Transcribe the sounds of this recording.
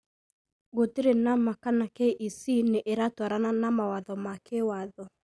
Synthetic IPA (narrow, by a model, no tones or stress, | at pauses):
ɣotiɾenamakanakeʔisineʔeɾatwaɾananamawaðɔmakewaðɔ